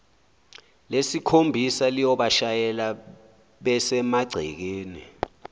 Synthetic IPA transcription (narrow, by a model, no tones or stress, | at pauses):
lesikʰombʱisalijɔɓaʃajɛla | ɓɛsɛmaɡ͡ǀʱḭk̬eːni